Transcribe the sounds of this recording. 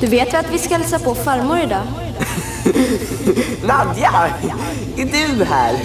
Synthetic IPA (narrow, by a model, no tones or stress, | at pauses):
d̪̥ɵveːt̪vɛat̪vɪskalɛsapʰɔfaɾmʊɾɪd̪ɑː | nad̪ja | ɪd̪ʉɦæːɾ